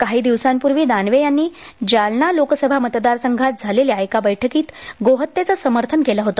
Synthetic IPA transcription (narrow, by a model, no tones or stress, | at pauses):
kaɦiːd̪iʋsampuɾʋiːd̪anʋejanːiːd͡ʑalnalokəsəbʱamət̪d̪aɾsəŋɡʱat̪̚d͡zʱaleliajkabəjʈʰəkiːt̪ɡoɦət̪ːet͡sasəməɾt̪ʰənkelaɦot̪o